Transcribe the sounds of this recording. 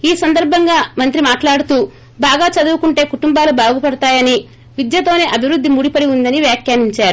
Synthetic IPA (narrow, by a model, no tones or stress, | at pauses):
iːsɐnd̪ɐɾbʱɐŋɡaːmɐnt̪ɾimaːʈlaːɽut̪uː | baːɡaːt͡ʃɐd̪uːkuɳʈe̞ːkuʈumbaːlubaːɡupɐɽɐt̪aːjɐni | ʋid̪jɐt̪o̞ːne̞ːʔɐbʱiʋɾud̪ʱːimuːɽipɐɽiund̪ɐniʋjaːkjaːniɲt͡ʃaːɾu